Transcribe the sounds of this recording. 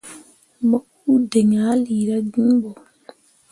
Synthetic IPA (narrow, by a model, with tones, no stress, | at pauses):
ma˦kːu˦dɛ˨ŋaːliɾaɡi˦mbɔ